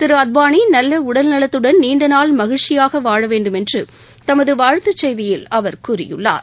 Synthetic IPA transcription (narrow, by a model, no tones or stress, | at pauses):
t̪ɪɾɯɐd̪̚baːɳinɐlːɐʊɽɐlnɐɭɐt̪ːɯɽɐnniːɳɖɐnaːlmɐɣɪɻt͡ʃɪjaːɣɐʋaːɻɐʋeːɳɖɯmɛndrɯ | t̪ɐmɐðɯʋaːɻt̪ːɐt͡ʃːɛjðɪjɪlɐʋɐɾkuːɾɪ̰jɯ̰ɭːa̰ːɾ